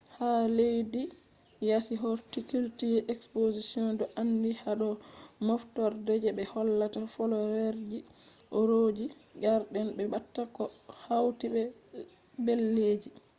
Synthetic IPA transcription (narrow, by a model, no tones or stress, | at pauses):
halejdi | jasiɦɔɾtikultiʔɛkspozisiɔndɔʔandihaɗɔmɔftɔɾdɛd͡ʒɛbɛhɔlːatafɔlɔɾɛɾd͡ʒi | ʔɔɾod͡ʒi | ɡaɾɗɛnbɛbatːakɔhawtibɛ | belːeːd͡ʒi